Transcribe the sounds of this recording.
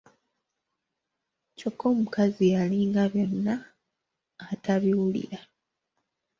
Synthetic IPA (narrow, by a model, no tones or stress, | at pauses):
co̞kːo̞ːmukazialiŋɡaβjo̞nːaː | taβiwulḭɾa